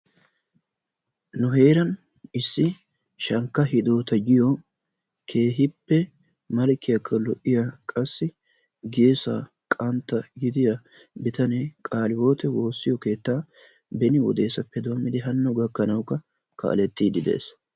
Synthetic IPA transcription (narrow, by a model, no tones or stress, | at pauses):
nʊɦe̞ːɾɐn | ɪsːɪ | ʃɐŋkːɐhɪd̪oːt̪ɐd͡ʒɪjɔ | kʰe̞ːɦɪpːɛ | mɐlkːɪjɐkʰːɐlɔʔɪjakʼɐsːɪ | ɡeːsa̰ː | kʼɐnt̪ːɐɡɪd̪ɪjɐ | bɪt̪ɐnekʼaːlɪwo̞ːt̪ɛwo̞ːsːɪjɔke̞ːt̪ːaː | bɛnɪwɔ̰d̪e̞ːsɐpːɛd̪omːɪd̪ɪɦɐnːɔɡɐkːɐnɐwkːɐ | kʰa̰ːlɛt̪ːiːd̪ɪd̪ḛːs